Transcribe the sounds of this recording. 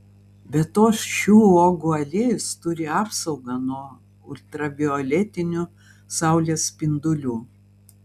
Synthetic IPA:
bʲɛt̪ːoːsʃʲuːoːɡʊɐlʲeːjʊst̪ʊɾʲɪɑːpsɒʊɡɑnuɔ | ʊlʲt̪ɾɐbʲɪɔlʲɛt̪ʲɪnʲʊ | sɑˑʊlʲeːspʲɪnd̪ʊlʲuː

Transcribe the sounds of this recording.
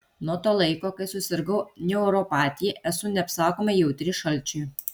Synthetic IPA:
nuɔt̪oːlˠɐɪkoːkɐɪsʊsʲɪɾɡɐʊnʲɛʊɾɔpɑːt̪ʲijɛʔɛsʊnʲɛɐpsɑːkoːmʲɐjɛʊt̪ʲɾʲɪʃɐlʲˑt͡ʃʲʊɪ

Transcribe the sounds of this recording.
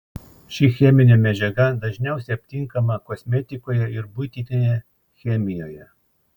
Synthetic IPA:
ʃʲɪxʲɛmʲɪnʲɛmʲɛd͡ʒʲɛɡɐd̪ɐʒʲnʲɛˑʊsʲɛɪɐpʲt̪ʲɪŋˑkɐmɐkoːsʲmʲɛt̪ʲɪkoːjɛɪɾbʊt̪ʲinʲejɛ | xʲɛmʲɪjoːjɛ

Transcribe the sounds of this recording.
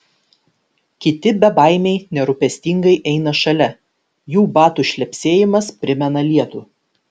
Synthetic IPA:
kʲɪt̪ʲɪbʲɛbɑˑɪmʲɛɪnʲɛɾʊpʲɛsʲt̪ʲɪŋɡɐɪʔɛɪnɐʃɐlʲɛ | juːbɑːt̪uʃʲlʲɛpʲsʲeːjɪmɐspʲɾʲɪmʲɛnɐlʲiɛt̪uː

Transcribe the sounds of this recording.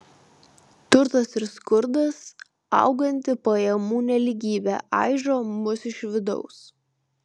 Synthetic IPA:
t̪ʊɾt̪ɐsɪɾskʊɾd̪ɐs | ɐ̰ʊɡɐnʲt̪ʲɪpɐjɛmuːnʲɛlʲiɡʲiːbʲæ̰ːʔɑ̰ˑɪʒoːmʊsɪʃʋʲɪd̪ɔ̰ʊs

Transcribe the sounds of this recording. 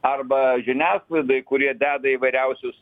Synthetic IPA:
ɐrbɐʒʲɪnʲæːslˠɐɪd̪ɐɪkʊɾʲiɛd̪ʲæːd̪ɐiːʋɐɪɾʲɛʊsʲʊs

